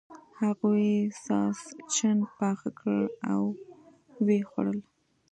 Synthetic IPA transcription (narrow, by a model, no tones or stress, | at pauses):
haɣujesɑst͡ʃanpɑxakəɭaw | wexwa̰ɽəl